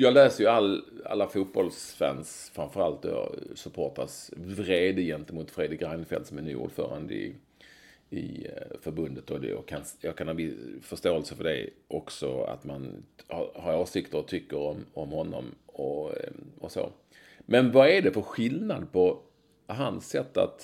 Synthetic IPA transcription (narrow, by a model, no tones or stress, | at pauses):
jɑːɡlɛːsəɾjəalːa̰lːafuːt̪̚bɔlsvɛ̰ns | fɾamfœɾalt̪d̪ɔ̰sɵpʰoːʈasvɾeːd̪əjɛnt̪əmʊt̪fɾeːd̪ɾɪkɾaɪnəfɛ̰lt̪sɔmɛny̰ːṵːɖfœ̰ːɾa̰nd̪əɪ̰ | ɪ̰fœɾbɵnd̪ət̪ɔd̪ɛ̰jɑ̰kʰanjɑːɡkʰanhɑnvɪsfœʂt̪oːɛlsəfœɖɛ̰ʔɔksɔa̰t̪manhɑhaɾoːʂɪkt̪əɾɔt̪ʰʏkːəɾɔmɔmhɔnːɔ̰mɔ | ɔso̰ː | mɛnvaɛɖɛpɔɧɪlnad̪pʰɔ | ɦansɛt̪ːa̰t̪